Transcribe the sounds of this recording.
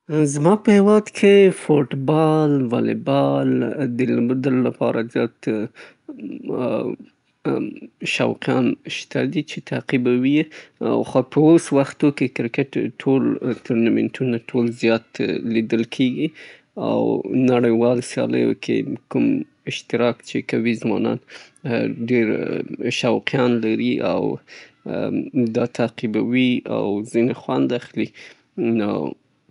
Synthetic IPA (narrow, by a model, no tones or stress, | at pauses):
zmɑpəhewɑd̪kʰefoʈbɑlwɑlḛbɑld̪əlməd̪alːapɑɾazjɑt̪ | ʃa̰wqjɑ̰nʃt̪ʰa̰d̪it͡ʃet̪ʰaqibawia̰wxapəoswaxt̪okekɾkɪʈʈʰːolt̪ʰuɾnamḛnʈʰunaʈʰolzjɑt̪lid̪əlkʰeɡi | a̰wnaɽəjwɑlsjɑ̰lə̰jo̰kʰḛkum | ɪʃt̪ɪɾɑkt͡ʃekawizwɑ̰nɑ̰n | ɖeɾʃawqijɑnlaɾiʔa̰w | d̪ɑt̪ʰaqibawia̰wzinexwand̪axli | no̰